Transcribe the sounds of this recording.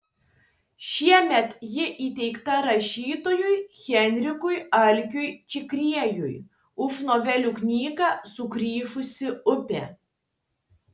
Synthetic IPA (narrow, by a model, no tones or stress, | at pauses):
ʃʲiɛmʲɛt̪jɪʔiːt̪ʲɛɪkt̪ɐɾɐʃʲiːt̪oːjʊjxʲɛnʲɾʲɪkʊjɐlʲkʲʊjt͡ʃʲɪkɾʲiɛjʊj | ʊʃnoːʋʲɛlʲuknʲiːɡɑːsʊkɾʲiːʃʊsʲɪʊpʲɛ